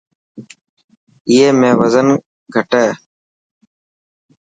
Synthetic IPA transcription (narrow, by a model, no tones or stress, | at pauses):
ɪjeːmẽːʋəzən | ɡʱəʈeː